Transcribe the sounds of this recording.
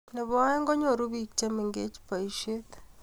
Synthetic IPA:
ne˨βoa˦e˦ŋɡo˦ɲo˨ɾu˦βi˨kt͡ʃe˦mi˨ŋɡe˦t͡ʃpa˨iʃet

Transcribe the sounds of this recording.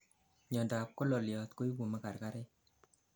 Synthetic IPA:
ɲɔ˨nda˨p̚ko˦lɔ˨ljɔ˨t̪ko˦i˦bu˨ma˦ka˨ɾka˦ɾe˦

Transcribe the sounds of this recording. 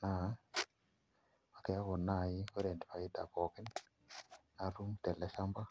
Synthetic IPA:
na˨˦ | a˨kɛ˨ja˦ko˨na˦˨ji˦o˦ɾe˨ndi˨pa˨i˦da̰˨kɔ˨kɪ˦n | na˨ɾu˦mt̪ɛ˨lɛ˦ʃa˦mba˦

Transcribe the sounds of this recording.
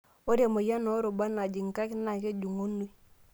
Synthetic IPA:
o˦ɾja˨mo˨ja˦no˨˦ɾo˨ba˦na˨d͡ʒi˨ŋ˨ka˦kna˨ke˦d͡ʒu˨ŋo˦nu˦i˦

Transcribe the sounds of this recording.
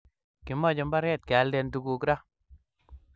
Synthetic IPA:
kɪ˨mɔ˦˨d͡ʒɔ˨mba˦ɾjɛ˦˨t̪̚kɪ˨a˨˦ldɛ˦ntu˦ku˨kɾa˦

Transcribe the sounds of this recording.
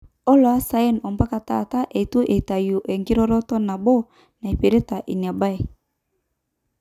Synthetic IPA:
ɔ˦lo˨a˦sa˨e˦nɔ˨mba˦ka˨ta̰˨ta˦ʔe˨tu˦ʔe˨ta˨ju˨ʔe˨ŋɡi˦ɾɔ˦ɾɔ˦tɔ˦na˨bo˦ | na˨e˨pe˨ɾe˦ta˨ʔi˨ɲ˨a˨ba˦e˨

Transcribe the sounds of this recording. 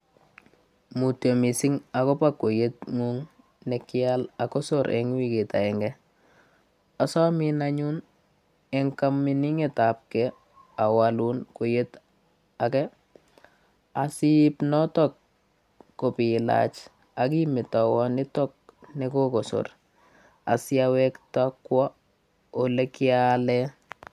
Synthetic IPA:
mu˨tjo˨mi˨sɪ˦ŋa˨kɔ˦pakːo˨jet̚ŋu˦ŋ | nɛkɪalakɔ˦soɾʔɛ̰ŋ˦wi˦ke˨ta˨ɛ˨ŋɡɛ | ɔ˨sɔ˦minaɲu˦n | ɛŋka˦mːini˦ŋe˨tap̚kɛ | a˨walunko˨je˦t | a˨kɛ | a˨sipnɔ˦tɔkː | o˨pila̰t͡ʃ | a˨k̬i˦mɪ˨tɔ˨wɔ˦nɪ˦tɔ˦k̚ne˦kokoso̰˨r | a̰˨sɪawɛ˦kta˦kwɔ˦ | ole˦kɪalɛ

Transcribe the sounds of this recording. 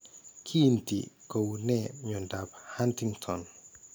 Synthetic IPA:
kʰi˦˧nt̪ḭ˨ko˧wnɛ˧˨ɲo˧˨nda˧p̚ha˦nt̪ʰi˧ŋt̪ʰɔ˨n

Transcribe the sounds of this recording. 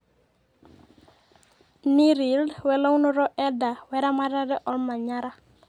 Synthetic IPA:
ni˦ɾi˨lwɛ˨lɔ˦wnɔ˦ɾɔ˦ʔɛ˦da˨wɛ˦ɾa˦ma˦ɾa˦ɾɛ˦ʔɔ˦lma˨ɲa˦ɾa˦

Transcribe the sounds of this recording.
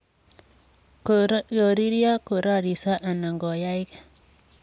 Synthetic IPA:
jo˨ɾi˦ɾja˦ko˨ɾa˦˨ɾi˨sa˦ʔa˨na˨ŋɡɔ˨ja˦i˦ka˦

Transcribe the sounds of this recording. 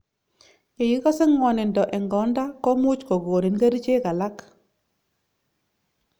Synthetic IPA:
e˨ji˦kɔ˦sɛ˦ŋɔ˨nɪ˨ndɔ˨ʔɛ˨ŋɡɔ˨˦nda˦kɔ˦mu˦t͡ʃkɔ˨ɡoː˨ni˨nɡa˦ɾi˦t͡ʃe˦ka˨la˦k

